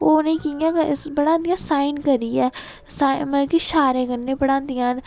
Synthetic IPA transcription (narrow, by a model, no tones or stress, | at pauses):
oːnẽkijãːkbəɽãːnd̪ɪjãːsaːinkəɾiːɛː | saməkiʃaːɾẽːkəɾnːẽːpəɽãːd̪ɪjãːn